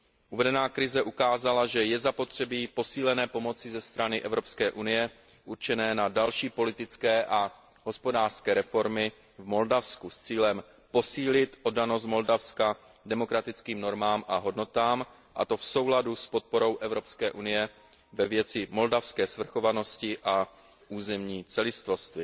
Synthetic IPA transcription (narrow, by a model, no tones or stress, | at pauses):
ʔuvɛdɛnaːkɾɪzɛʔukaːzalaʒɛjɛzapo̞t̪r̝̥ɛbiːpo̞siːlɛnɛːpo̞mo̞t͡sɪzɛst̪ɾanɪʔɛvɾo̞pskɛːʔunɪjɛ | ʔuɾt͡ʃɛnɛːnadalʃiːpo̞lɪt̪ɪt͡skɛːʔa | ɦo̞spo̞daːr̥skɛːɾɛfo̞ɾmɪ | vmo̞ldafskust͡siːlɛm | po̞siːlɪt̪ʔo̞dano̞s̬t̪̚mo̞ldafska | dɛmo̞kɾat̪ɪt͡skiːmno̞ɾmaːmʔaɦo̞dno̞t̪aːm | ʔa̰t̪o̞fso̞wladuspot̪̚po̞ɾo̞wʔɛvɾo̞pskɛːʔunɪjɛ | vɛvjɛt͡sɪmo̞ldafskɛːsvr̩xo̞vano̞scɪʔa | ʔuːzɛmɲiːt͡sɛlɪst̪vost̪vɪ